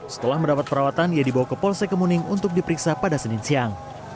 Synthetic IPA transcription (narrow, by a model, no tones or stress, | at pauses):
sə̥t̪əlahməndapat̪̚pəɾawat̪anijadibawakəpɔlsɛkəmunɪŋunt̪ʊk̚dipəɾiksapadasənɪnsiaŋ